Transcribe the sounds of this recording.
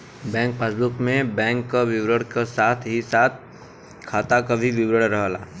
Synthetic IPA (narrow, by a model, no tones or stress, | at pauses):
bɛ̃ːŋk̚paːsbʊkmẽbɛ̃ːŋkːaʋɪʋɾəɽkasaːt̪ʰɦisaːt̪̚ʰ | kʰaːt̪akabʱiʋɪwɾəɽɾɐɦla̰ː